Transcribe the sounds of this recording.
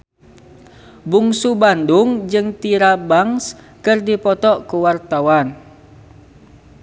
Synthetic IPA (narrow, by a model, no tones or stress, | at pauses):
buŋsubanduŋd͡ʒɨŋt̪iɾabaŋs | kɨrdipɔt̪ɔʔkuwart̪awan